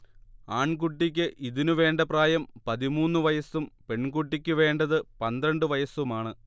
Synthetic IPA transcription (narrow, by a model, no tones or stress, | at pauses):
aːɳk̬uʈːikʲːɨʔiðinuʋe̞ːɳɖɐpraːjɐmpɐðimuːnːuʋɐjɐsumpe̞ɳkuʈːikʲːɨʋe̞ːɳɖɐðɨpɐnd̪ɾɐɳɖɨʋɐjɐsumaːɳɨ